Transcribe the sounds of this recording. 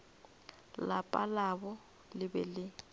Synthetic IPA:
lapʼalaβɔ | lɪbɛlɪ

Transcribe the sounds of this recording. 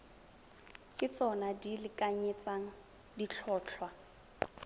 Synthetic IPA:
kʼɪt͡sʼɔnadilɪkʼaɲɪt͡saŋ̩ | dit͡ɬʰɔːt͡ɬʰwa

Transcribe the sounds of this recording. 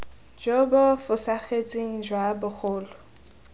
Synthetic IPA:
d͡ʒɔbɔfʊsaχet͡sʼiŋ̩d͡ʒwabʊχʰʊːlɔ

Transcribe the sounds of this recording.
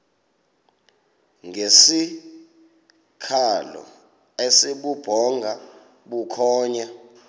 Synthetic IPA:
ŋʱesi | kʰalɔ̰ | esiɓub̥ʱɔŋɡʱa | ɓukʰɔːɲa

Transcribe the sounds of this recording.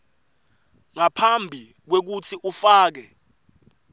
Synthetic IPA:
ŋapʰambʱi | k̬wek̬utʰiʔufaːk̬ɛ

